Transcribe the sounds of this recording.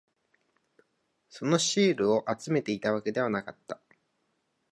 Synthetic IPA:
so̞no̞ɕiːɾɯ̟o̞ʔat͡sɨme̞t̪e̞it̪aβake̞d̪e̞β̞anakat̪ːḁ

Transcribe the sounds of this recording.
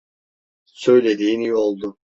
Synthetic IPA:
sø̞jlʲed̪iːnijo̞lˠd̪ʊ

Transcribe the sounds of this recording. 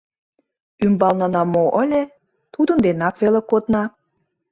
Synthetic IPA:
ymbɑlnɑnɑmoʔəlʲe | t̪ud̪ə̆nd̪enɑkβelekot̪nɑ

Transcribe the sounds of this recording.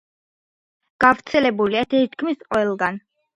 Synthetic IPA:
ɡ̥avɾt̪sʰɛlɛbuliat̪ʰɛit̪ʰkʰmisqʼwɛlˠɡan

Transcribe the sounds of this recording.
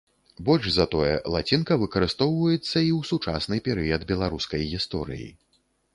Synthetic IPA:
bɔlʲʐzɐt̪ɔjɛ̰lˠat͡sʲinkɐvɨkɐɾɨst̪ɔwvɐjɛt̪sːɐiwsut͡ʂa̰snɨpʲɛɾɨjɐd̪bʲɛlˠaɾuskɐjɣʲist̪ɔɾɨ̰jḭ

